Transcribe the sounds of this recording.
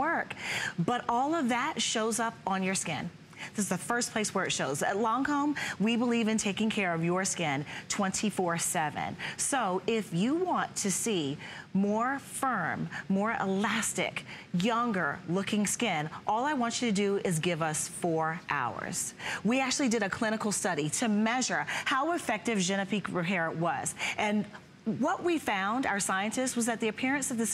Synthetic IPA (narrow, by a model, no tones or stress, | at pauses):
ɜ˞kb̥ʌɾɔlˠʌvðɨtʃoʊzʌpn̩jə˞skɪ̰̃n | ðɨzðəfɜ˞spʰl̥eɪswə˞ɨtʃoʊzə̰tˡlɔ̃ŋhõʊ̃mwibəlivɨ̃ntʰeɪkɪ̃ŋkʰɛɹʌvjə˞skɪ̃ntʰw̥ɛ̃ntʰifɔɹsɛvɨ̰̃nsoʊʔɪfjɨwɑ̃ntʰɨsimɔɹfɜ̃˞mːɔɹə̰læstɪ̰kjʌ̃ŋɡə̰˞lʊkɪ̃ŋskɪ̃nʔɔlˠaɪwɑ̃nt͡ʃɨɾɨdɨɪzɡɪvʌsfɔɹʔa̰ʊə̰˞z̥wiæk̚t͡ʃʉl̩ˠidɨɾɨkʰl̥ɪ̃ñɨkl̩ˠstʌɾiɾɨmɛʒə˞haʊəfɛk̚tɨvd͡ʒɛ̃ñɨpʰikɹɨɛɹɨ̃ʔwʌz̥ʔɨ̃n | wʌʔ̚wifãʊ̃nda̰ʊə˞saɪɨ̃ntɨstswʌzðɨt̪̚ðiɨpʰɪɹɨ̃nsʌvðɨs